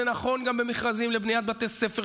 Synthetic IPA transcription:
enaχo̞nɡambemiχʁazimlebnijat̪̚bat̪essefe

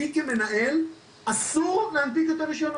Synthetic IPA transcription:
ikeme̞naʔe̞l | asuʁleantikot̪oʁiʃon

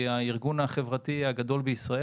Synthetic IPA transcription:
aiʁɡunaχe̞vʁat̪iaɡad̪o̞lbeisʁae

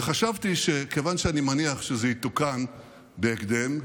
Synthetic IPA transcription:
χaʃavt̪iʃe̞ke̞vanʃeanimaniaχʃezeit̪ukan | be̞ːkd̪e̞m

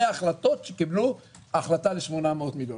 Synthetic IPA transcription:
eaχlato̞tʃekiblu | aχlataleʃmonameot̪miljo

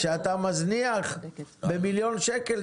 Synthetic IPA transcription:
ʃeat̪amazniaχbemiljo̞nʃekel

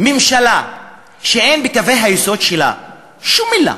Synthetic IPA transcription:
mimʃala | ʃeenbikave̞jɦajiso̞dʃela̰ | ʃumːila̰

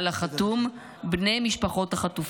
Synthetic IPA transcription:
laχat̪um | bne̞jmiʃpaχo̞thaχatuf

